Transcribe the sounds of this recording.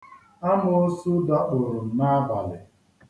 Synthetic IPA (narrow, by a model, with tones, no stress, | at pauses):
a˦mʊ˦o˦su˦da˦ʔo˨ɾʊ˨m̩˨na˦ba˨lɪ̰˨